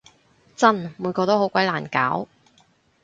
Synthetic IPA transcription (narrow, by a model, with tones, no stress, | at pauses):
t͡sɐ˥˩nmuː˨˧˥jkɔː˧t̪o˥whɦwkʷɐ˨˥jlaː˨˩nka̰ː˨˥w